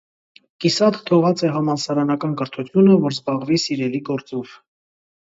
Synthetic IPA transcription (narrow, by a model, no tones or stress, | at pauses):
kisɑt̪t̪ʰɔʁɑt͡sɛɦɑmɑlsɑɾɑnɑkɑnkəɾt̪ʰut̪ʰjunəvɔɾzbɑʁvisiɾɛliɡɔɾt͡sɔv̥